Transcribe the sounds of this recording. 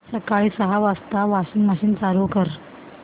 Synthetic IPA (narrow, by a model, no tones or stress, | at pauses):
səkaɭiːsəɦaʋast̪aʋaɕiŋɡməɕiːnsaɾukəɾ